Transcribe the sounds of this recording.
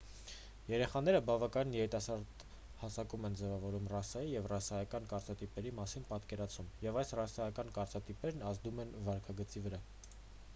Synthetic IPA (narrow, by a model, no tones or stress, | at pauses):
jɛɾɛχɑnɛɾəbɑvɑkɑjinjɛɾit̪ɑsɑɾd̪ | hɑsɑkumɛnd͡zɛvɑvɔɾumrɑsɑjijɛvrɑsɑjɑkɑnkɑɾt͡sɑt̪ipɛɾimɑsinpɑt̪kɛɾɑt͡sʰumjɛvɑjsrɑsɑjɑkɑnkɑɾt͡sɑt̪ipɛɾnɑzd̪umɛnvɑɾkʰɑɡət͡sivəɾɑ